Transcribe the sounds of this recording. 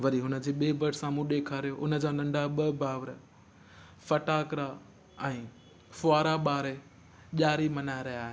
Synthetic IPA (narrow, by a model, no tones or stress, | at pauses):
ʋɐɾiɦʊnə̆d͡ʑeːɓeːbɐʈsãmũːɗeːkʰaɾijoʔʊnə̆d͡ʑaːnɐ̃ɳɖʱaɓəbʱaːʋəɾ | fɐʈaːkɾa | ɛ̃ː | fʊaːɾaɓaːɾe | ʄaːɾimɐnaːɪɾɐjaːɦe